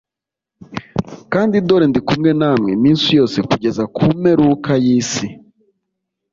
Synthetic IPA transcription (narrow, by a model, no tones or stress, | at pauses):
kaːndidoɾendikumŋe̞naːmŋemiːnsujo̞ːse̞kuɟe̞zakʰume̞ɾukajiːsi